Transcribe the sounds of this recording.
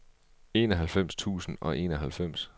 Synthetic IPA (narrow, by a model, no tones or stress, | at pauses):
e̝̰ːnɒɦælfem̰st͡sʰṵːsn̩ɒ̽ʔe̝ːnɒɦælfem̰s